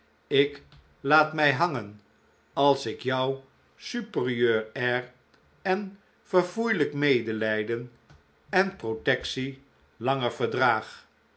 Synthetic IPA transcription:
ɪk | laːtmɛjɦɑŋən | ɑlˠsɪkjʌw | sypəriøːɹɛr | ɛn | v̥əɹvujləkmejdəlɛjdən | ɛnprotɛksi | lɑŋəɹv̥əɹdraːχ

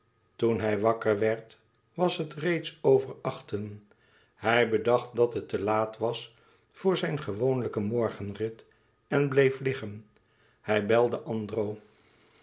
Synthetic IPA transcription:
tunɦɛjʋɑkəɹʋɛɹt | ʋɑsɦətrejtsowvəɹɑχtən | hɛjbədɑχt̚dɑtɦətːəlaːtʋɑs | fʊːɹzɛjnχəʋownləkəmɔɹχənrɪt | ɛnblejflɪχən | hɛjbɛlˠdəʔɑndrow

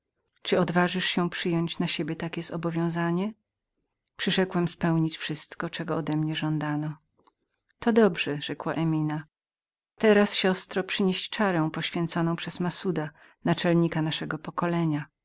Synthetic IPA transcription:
t͡ʂɨɔd̪vaʐɘʂɕɛpʂɘjɔɲt͡ɕnaɕebʲjɛt̪akʲɛzɔbɔvʲjɔ̃w̃zaɲɛ | pʂɨʂɛkwɛmspɛwɲit͡ɕfʂɘst̪kɔt͡ʂɛɡɔːd̪ɛmɲɛʐɔnd̪anɔ | t̪ɔd̪ɔbʐɛʐɛkwaʔɛmʲina | t̪ɛɾasɕɔst̪ɾɔpʂɘɲeɕt͡ʂaɾɛ̃w̃pɔɕfʲjɛ̃nt̪sɔnɔ̃w̃pʂɛz̥masud̪a | nat͡ʂɛlɲikanaʂɛɡɔpɔkɔlɛɲa

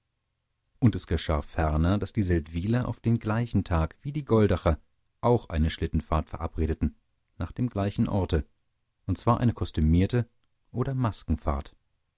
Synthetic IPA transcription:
ʔʊntɛsɡ̥əʃa̰ːfɛɐnɐdasd̥iːzɛltv̥iːlɐʔa̰ʊfd̥eːnɡlaɪçn̩tʰaːkv̥iːdiːɡɔldɛχɐ | ʔaʊxʔa̰ɪnəʃlɪtn̩faːɐtfɛɐʔa̰pʁ̥eːdətn̩ | naːχd̥eːmɡlaɪçn̩ʔɔɐtə | ʔʊntt͡sv̥aːɐʔa̰ɪnəkʰɔstymiːɐtə | ʔoːɾɐmaskŋ̩fa̰ːɐt

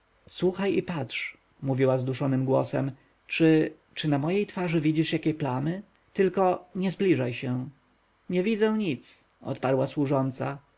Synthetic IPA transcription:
swuxajipatʂ | muvʲiwazd̪uʂɔnɘmɡwɔsɛ̰m | t͡ʂɘ | t͡ʂɘnamɔjejt̪faʐɘvʲid͡ʑiʂjakʲɛplamɘ | t̪ɘlkɔɲɛzblʲiʐajɕɛ | ɲɛvʲid̪zɛw̃ɲit̪s | ʔɔ̰t̪paɾwaswuʐɔnt̪sa̰

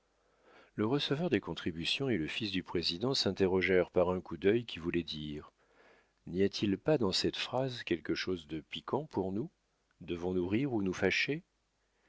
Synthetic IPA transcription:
ləʁəsəvœʁd̪ekɔ̃t̪χibysjɔ̃eləfisd̪ypχezid̪ɑ̃sɛ̃t̪eʁɔʒɛʁpaʁɛ̃kud̪œjkʲivulɛd̪iʁ | niat̪ʰilpad̪ɑ̃sɛt̪fχazkʲɛlkəʃozd̪əpikʰɑ̃puʁnu | d̪əvɔ̃nuʁiʁunufaʃe

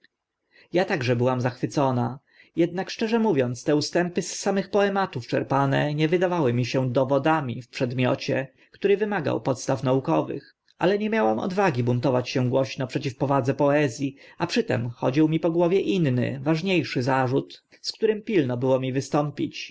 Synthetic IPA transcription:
jat̪aɡʐɛbɘwamzaxfɘt̪sɔna | jɛd̪nakʂt͡ʂɛʐɛmuvʲjɔnt̪st̪ɛust̪ɛmpɘsːamɘxpɔɛmat̪uft͡ʂɛɾpanɛɲɛvɘd̪avawɘmʲiɕɛ̃d̪ɔvɔd̪amʲifpʂɛd̪mʲjɔ̰t͡ɕɛ | kt̪uɾɛvɘmaɡa̰wpɔt̪st̪afnaukɔvɘ̰x | a̰lɛɲɛmʲjawamɔ̰d̪vaɡʲibunt̪ɔvat͡ɕɕɛ̃ɡwɔɕnɔpʂɛt͡ɕifpɔvad̪zɛpɔɛzʲjiapʂɘt̪ɛ̰mxɔd͡ʑiwmʲipɔɡwɔvjɛʔinːɘ̰vaʐɲejʂɘzaʐut̪ | skt̪uɾɘmpʲilnɔbɘwɔmʲivɘst̪ɔmpʲit͡ɕ

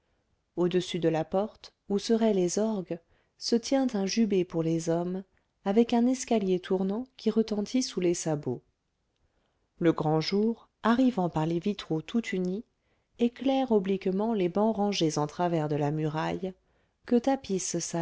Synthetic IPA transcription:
od̪əsyd̪əlapɔʁt̪ | usəʁɛlezɔʁɡ | sət̪jɛ̃t̪ɛ̃ʒybepuʁlezɔm | avɛkɛ̃nɛskaljet̪ʰuʁnɑ̃kʲʰiʁət̪ɑ̃t̪ʰisulesabo | ləɡʁɑ̃ʒuːʁ | aʁivɑ̃paʁlevit̪χot̪ʰut̪ʰyni | eklɛʁɔblikmɑ̃lebɑ̃ʁɑ̃ʒezɑ̃t̪χavɛʁd̪əlamyʁaj | kət̪apissa

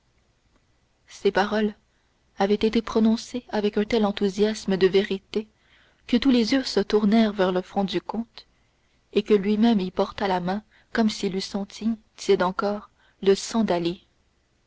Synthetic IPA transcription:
sepaʁɔl | avɛt̪et̪epχɔnɔ̃seavɛkœ̃t̪ɛlɑ̃t̪uzjasməd̪əveʁit̪e | kət̪ulezyːsət̪uʁnɛʁvɛʁləfɔ̃d̪ykɔ̃t̪ | ekəlɥimɛmipɔʁt̪alamɛ̃ | kɔmsilysɑ̃t̪ʰit̪jɛd̪ɑ̃kɔːʁ | ləsɑ̃d̪ali

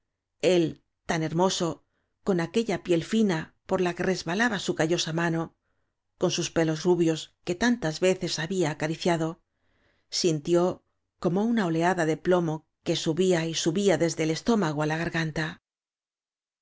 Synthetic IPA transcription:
e̞l | t̪ane̞ɾmo̞so̞ | ko̞nake̞ʎapje̞lfina | po̞ɾlake̞re̞zβalaβasukaʝo̞samano̞ | ko̞nsuspe̞lo̞zruβjo̞ske̞t̪ant̪azβe̞θe̞saβiaːkaɾiθjaðo̞ | sint̪jo̞ | ko̞mo̞unao̞le̞aðaðe̞plo̞mo̞ | ke̞suβiaisuβiaðe̞zðe̞ːle̞st̪o̞maɣ̞oalaɣaɾɣant̪a

